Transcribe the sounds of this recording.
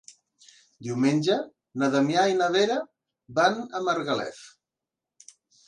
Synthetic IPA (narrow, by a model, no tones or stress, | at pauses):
d̪iwmenʲd͡ʒə | naðəmjainaðeɾa | banəməɾɣalɛ̰θ